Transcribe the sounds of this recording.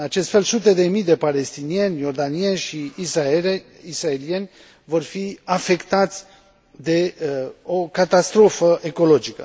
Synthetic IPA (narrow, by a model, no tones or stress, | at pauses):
ɨnat͡ʃe̞st̪fe̞lsut̪e̞d̪e̞mijd̪e̞pale̞st̪inie̞nʲjo̞rd̪anie̞nʲʃiːsa | israelienʲ | vo̞rfiafe̞kt̪at̪sʲ | d̪e̞okat̪ast̪ɾo̞fəʔeko̞lo̞d͡ʒikə̰